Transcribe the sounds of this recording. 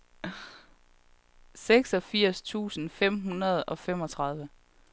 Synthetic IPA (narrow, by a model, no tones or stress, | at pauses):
seɡ̥sɒ̽fiɐ̰st͡sʰṵːsn̩fem̰ɦunɐð̞ˠɒ̽fem̰ɒ̽t͡sʰʁɑ̈ð̞ˠʋə